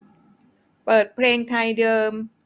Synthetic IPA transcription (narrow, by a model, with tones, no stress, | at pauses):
pɤː˨˩t̪̚pʰleː˧ŋt̪ʰa˧jdɤː˧m